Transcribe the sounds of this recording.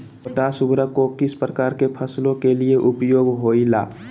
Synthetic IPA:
əʈasʊbɾəkokɪspɾəkaːɾkepʰəslõkelieʔʊpjoːɡɦoːila̰ː

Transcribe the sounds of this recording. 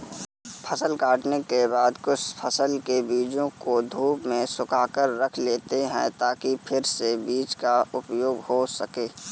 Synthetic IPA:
pʰəsəlkaːʈnekebaːd̪kʊt͡ʃʰpʰəsəlkebiːd͡ʒõkod̪ʱuːpmẽsʊkaːkəɾːəkʰleːt̪eɦɛ̰̃t̪aːkipʰɪɾsebiːt͡ʃkaʊpjoːɡhosəkeː

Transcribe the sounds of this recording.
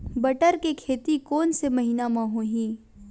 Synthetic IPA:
bɐʈəɾkekʰeːt̪ikɔːnsemɐɦiːnamãɦõɦĩː

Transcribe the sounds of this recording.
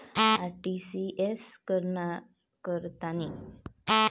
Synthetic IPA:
aɾʈisiʔeskəɾna | kəɾt̪ani

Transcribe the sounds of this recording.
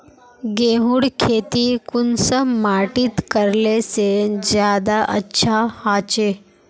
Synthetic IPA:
ɡeɦuɽkʰeːt̪ikunsəmaʈit̪kəɾlesed͡ʑjaːd̪aʔətːʃʰahat͡ʃe

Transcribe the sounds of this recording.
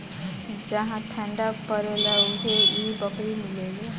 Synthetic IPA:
d͡ʒəɦãʈʰə̃ɳɖapəɾelaʊɦeibəkɾimɪleːɡe

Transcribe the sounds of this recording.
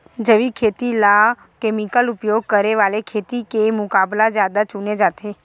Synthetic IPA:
d͡ʒəʋikʰet̪ila | kemikəlupjoɡ̚kəɾeʋalekʰet̪ikemʊkablad͡ʒjad̪at͡ʃuned͡ʒat̪ʰe

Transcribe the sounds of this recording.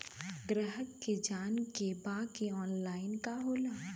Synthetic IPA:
ɡɾəɦəkːed͡ʒaːnkebaːkeɔːnlaːɪnkaɦoːlaː

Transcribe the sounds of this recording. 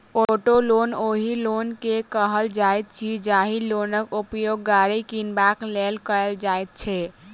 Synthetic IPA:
oʈoloːnoːɦilonkekəɦəld͡ʒajt̪̚t͡ʃʰid͡ʒaɦiloːnəkupjoːɡːaɾikinbaklelkəld͡ʒat̪̚t͡ʃʰɛ

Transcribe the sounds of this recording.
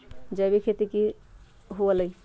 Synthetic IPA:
d͡ʒəbikʰet̪iki | ɦuələi

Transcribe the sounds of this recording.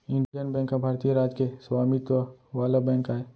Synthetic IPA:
ɪ̃ɳɖid͡ʒənbɛ̃ːŋkːabʱaːɾt̪ijeɾaːd͡ʒkeswaːmit̪waʋaːlabɛ̃ːŋkaɦɛ

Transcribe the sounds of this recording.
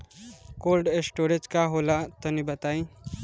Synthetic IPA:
kolɖesʈoɾed͡zkaɦolat̪ənibət̪aĩ

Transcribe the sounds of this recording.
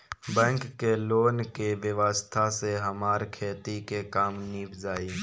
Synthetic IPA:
bɛ̃ːŋkːeloːnkeʋəʋaːst̪ʰaseɦəmaːɾkʰeːt̪ikekaːmnipzaːiː

